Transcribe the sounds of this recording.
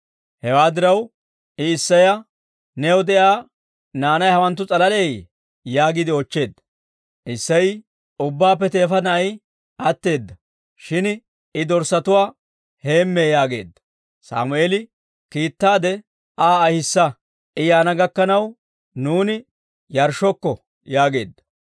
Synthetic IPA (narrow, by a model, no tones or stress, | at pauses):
hɛwaːd̪ɪɾɐw | ɪːsːɐjɐ | nɛɔd̪ɛʔaː | naːnɐjɐwɐnt̪ːʊt͡sʼɐlɐlej | jaːɡɪd̪ɪɔt͡ʃːe̞ːd̪ːɐ̥ | ʔɪsːɐj | ʊbːaːpːɛt̪e̞ːfɐnɐj | ʔɐt̪ːe̞ːd̪ːɐ | ʃɪn | ɪd̪ɔɾsɐt̪ʊwaː | he̞ːmːejaːɡe̞̰ːd̪ːɐ̥ | sa̰ːmʊʔeːlɪ | kiːt̪ːaːd̪ɛ | aːɐhɪsːɐ | ʔɪjaːnɐɡɐkːɐnɐw | nuːnɪ | jɐɾʃɔkːɔ | jaːɡe̞ːd̪ːɐ̥